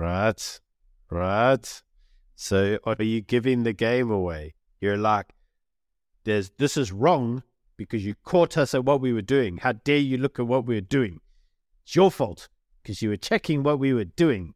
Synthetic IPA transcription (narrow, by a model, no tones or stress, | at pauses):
ɹaɪt | ɹaɪt | soʊʔə˞jɨɡɪvɪ̃ŋðɨɡẽɪ̃məweɪ | jə˞laɪk̚ | ðə˞zðɪsɨzɹɔ̃ŋ | b̥ɨkʰʌzjɨkʰɔɾʌsɨt̚wʌt̚wiwə˞dʉɪ̃ŋhaʊdɛ˞jɨlʊkɨt̚wʌt̚wiwə˞dʉɪ̃ŋ | ɪtsjə˞fɔlˠt | kʰʌzjɨwə˞t͡ʃʰɛkɪ̃ŋwʌt̚wiwə˞dʉɪ̃ŋ